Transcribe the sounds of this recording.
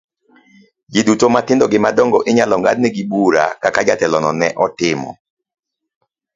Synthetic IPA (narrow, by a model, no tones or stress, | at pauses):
ɡidutomatɪndɔɡɪmadɔŋɡɔʔɪɲalɔŋɡa̰d̚nɛɡibuɾa̰kakad͡ʒatɛlɔnɔnɛʔɔtɪmɔ̰